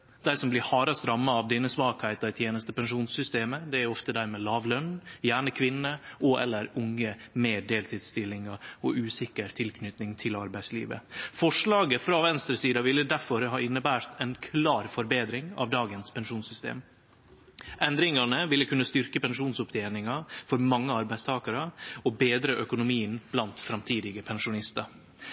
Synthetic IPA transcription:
d̪̥æɪsɔmblɪhɑːɾɑst̪ɾɑmːɑɑʋd̪ɛnːəsmɑːkhæɪt̪ɑɪt̪ʰjeːnəst̪əpɛnʂuːnsʏst̪eːməd̪ɛæɾɔft̪əd̪æːɾmɛːlɑːʋlœnjæːɳəkʰʋɪnːəʔɔʔɛ̰lːəɾʊŋːəmeːɖ̪eːlt̪ʰiːd̪st̪ɪlːɪŋɑɔʔʉːsɪkəɾt̪ʰɪlkʰnʏt̪nɪŋt̪ʰɪlɑɾbæɪslḭːʋə̰fɔʂɭɑːɡəfɾɑʋɛnst̪ɾəsiːd̪ɑʋɪlːəd̪æɾfɔɾɦɑːɪnːəbæːɾt̪ʰɛnkʰlɑːɾfɔɾbeːd̪ɾɪŋɑ̰ʋd̪ɑːɡənspʰɛnʂuːnsʏst̪ḛːm | ʔɛnd̪ɾɪŋɑnəʋɪlːəkʰʉnːəst̪ʏɾkəpɛnʂuːnsʊpt̪ʰeːnɪŋɑfɔɾmɑŋːəɑɾbæɪst̪ʰɑːkɑɾəɔbeːd̪ɾəʔœkʊnʊmiːənb̥lɑnt̪fɾɑmt̪ʰiːd̪ɪɡəpʰɛnʂʊnɪst̪ɑɾ

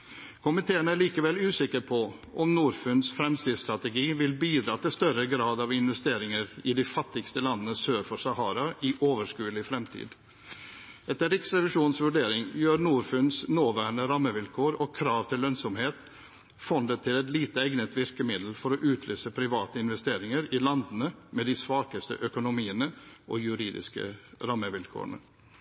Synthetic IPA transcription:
kʰʊmɪt̪ʰeːənəæɭiːkəʋɛlʉːsɪkːəɾpʰɔ | ʔɔmnuːɾfʉnsfɾɛmst̪iːst̪ɾɑt̪ɛɡiːʋɪlbiːd̪ɾɑːt̪ɪlst̪œɾəɡɾɑːd̪ɑʋɪnʋɛst̪eːɾɪŋəɾɪd̪ɪfɑt̪ːɪɡst̪əlɑnːənəsøːɾfɔsɑhɑːɾɑɪʔoːʋəʂkʉːlɪfɾɛmt̪ʰḭːd̪ | ɛt̪ːəɾɪksɾɛʋɪʂuːnsʋʉɖeːɾɪŋjøːɾnuːɾfʉnsnoːʋæːɳəɾɑmːəʋɪlkʰoːɾɔkʰɾɑːʋt̪ʰɪlːœnsɔmheːt̪ | fɔnd̪ət̪ʰːɪlɛt̪liːt̪əɛɡnət̪ʋɪɾkəmɪd̪l̩fɔɾɔʔʉːt̪ʰlʔøːsəpʰɾɪʋɑːt̪əɪnʋɛst̪eːɾɪŋəɾɪlɑnd̪ənəmɛd̪ɪsʋɑːkəst̪ə̰ʔœkʊnʊmiːənəʔɔjʉɾiːd̪ɪ̰skə̰ɾɑmːəʋɪlkʰo̰ːəɳə̰

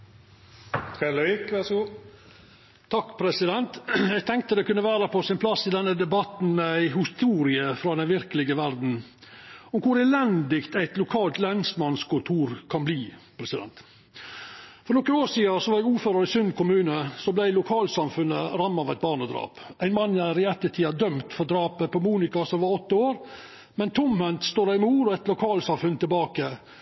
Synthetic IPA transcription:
ɛləikʋæsɡuː | t̪ʰɑkːpʰɾɛsɪd̪ɛnt̪jæɪɡ̚t̪ʰɛŋk̚t̪əd̪ɛkʰʉnːəʋæːɾəpʰɔsɪnpʰlɑsːɪd̪ɛnːəd̪ɛbɑt̪n̩æɪɦɪst̪uːɾɪəfɾɑd̪ɛnʋɪɾkəlɪɡəʋæɾd̪n̩ | ɔmkʰʊɾɛːlɛnd̪ɪkt̪æɪt̪lʊkʰɑːlt̪lɛnsmɑnskʰʊt̪ʰuːɾkʰɑnbliːpʰɾɛsɪd̪ɛ̰nt̪ | fɔɾnɔkːəoːʂiːəsɔʋɑɾjɛɡuːføːɾəɾɪsʏnd̪kʊmʉːnəsɔblæɪlʊkʰɑːlsɑmfʉnəɾɑmːɑʋæɪt̪̚bɑːɳəd̪ɾɑ̰ːpʔæɪnmɑnːæɾɪɛt̪ːəʈʰiːɑd̪œmt̪fɔɾd̪ɾɑːpəpɔmuːnɪkɑsɔmʋɑɾɔt̪ːəoːɾ | mɛnt̪ʰʊmhɛnt̪st̪oːɾɑɪmuːɾɔɛɪt̪lʊkʰɑːlsɑmfʉnt̪ʰɪlbɑːkə

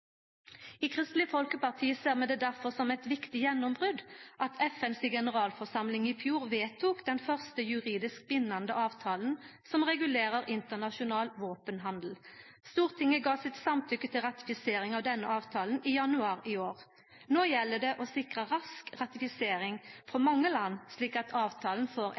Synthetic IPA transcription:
iːkʰʁɪst̪lɪəfɔlkəpɑʁt̪ʰiːəseːʁmɛd̪ɛːd̪æʁfɔʁsɔmɛt̪ʋɪkt̪ɪjɛnːɔmbʁʉd̪ʔɑt̪ʰɛfɛnsiɡɛnəʁɑːlfɔʁsɑmlɪŋiːfjuːʁʋeːt̪ʰuːkd̪ɛnfœʁst̪əjʉʁiːd̪ɪsk̚bɪnːɑnd̪əʔɑːʋt̪ʰɑːln̩sɔmʁɛɡʉleːʁəʁɪnt̪ənɑʃʊnɑːlʋoːpənɦɑnd̪l̩st̪uːʁt̪ʰɪŋəɡɑːsɪt̪sɑmt̪ʰʏkːət̪ʰɪlʁɑt̪ɪ̥fɪseːɾɪŋɑʋd̪ɛnːəʔɑːʋt̪ʰɑːln̩ɪjɑnʉɑːɾɪoːʁ | noːjɛlːəd̪ɛʔɔsɪkʁəʁɑskʁɑt̪ɪfɪseːɾɪŋfɾɔmɑŋːəlɑnːsliːkɑt̪ʰɑːʋt̪ʰɑːln̩foːɾ

